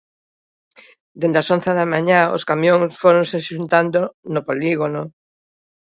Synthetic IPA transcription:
d̪end̪asõnθeðamaɲao̰skamjõŋsfoɾoŋseʃunt̪and̪onopoliɣono

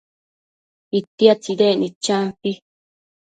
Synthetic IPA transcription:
it̪iat͡sid̪enĩt͡ʃãnt̪i

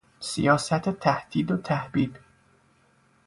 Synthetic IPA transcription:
sḭjɒːsæt̪ʰet̪ʰæhd̪̥iːd̪ot̪ʰæhbiːd̪

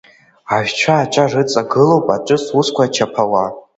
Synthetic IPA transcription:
aʒᶣt͡ʃʷʰaːt͡ʃʷʰʼarɨt͡sʼaɡɨlowpʼaʈ͡ʂʷʼɨsuskʷat͡ʃʰapʰawa

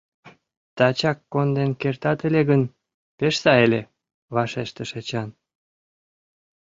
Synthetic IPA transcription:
t̪ɑt͡ɕɑkːond̪enkert̪ɑt̪eleɣən | peʃsɑelʲe | βɑʃeʃt̪əʃet͡ɕɑn

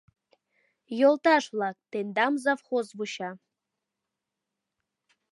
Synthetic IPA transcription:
jolˠt̪ɑʃvlˠɑk̚t̪end̪ɑmzafχozvuɕɑ

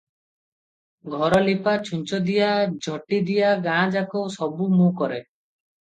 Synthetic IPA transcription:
ɡʱɔɾɔlipat͡ʃʰuɲt͡ʃɔd̪ijad͡ʒʱɔʈid̪ijaɡãːd͡ʒakowsɔbumũkɔɾe

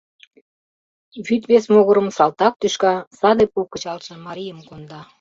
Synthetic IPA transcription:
βyt̪βesmoɣəɾəmsɑlt̪ɑk̚t̪yʃkɑsɑd̪epukːət͡ɕɑlʃənmɑɾijəmkond̪ɑ

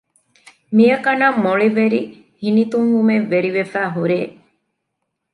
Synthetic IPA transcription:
mijɐkɐnamoɭiʋeɾi | hinit̪uŋʋumeʋeɾiʋefæːɦuɾeː

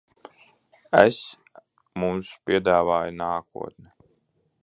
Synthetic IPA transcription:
es | mumspʲiɛd̪aːvaːjunaːkṵɔt̪nɛ

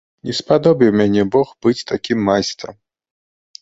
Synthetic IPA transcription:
nʲɛspad̪ɔbʲiwmʲanʲɛbɔxbɨt͡sʲt̪akʲimːajst̪ɾɐ̰m

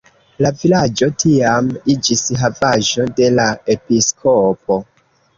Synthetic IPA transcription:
lavilad͡ʒo̞tʰiamid͡ʒisɦavaʒo̞de̞lae̞piskʰop̚o̞

